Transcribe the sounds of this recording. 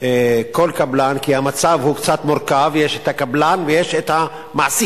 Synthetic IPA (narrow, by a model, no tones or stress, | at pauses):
ekolkablankihamat͡savhukt͡sat̪moʁkavjeʃet̪hakablanvejeʃet̪ha | maʕsi